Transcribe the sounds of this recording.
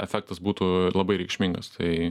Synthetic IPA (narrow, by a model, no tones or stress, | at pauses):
ɛfʲɛk̚t̪ɐsbuːt̪ulˠɐbɐɪɾʲɛɪkʃʲmʲiŋɡɐst̪ʰɐɪ